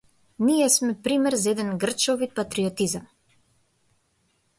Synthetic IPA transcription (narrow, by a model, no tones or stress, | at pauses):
nijɛsmɛpɾimɛɾzaɛd̪ɛnɡr̩t͡ʃɔvipat̪ɾiɔt̪izam